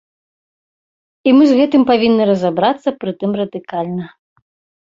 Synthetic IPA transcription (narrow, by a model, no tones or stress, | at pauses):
imɨzɣɛt̪ɨmpavʲinːɨɾɐzabɾat̪sːɐpɾɨt̪ɨmrɐd̪ɨkalʲnɐ